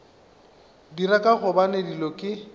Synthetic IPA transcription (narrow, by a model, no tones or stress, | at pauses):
dirakʼaχʊbanedilɔkʼɪ